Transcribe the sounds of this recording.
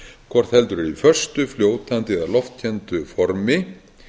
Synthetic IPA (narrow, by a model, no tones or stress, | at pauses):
kʰvɔɾ̥t̪hɛlt̪ʏɾɛɾifœr̥st̪ʏfljoːwt̪ant̪ɪɛðalɔft̪̚cʰɛnt̪ʏfɔɾmɪ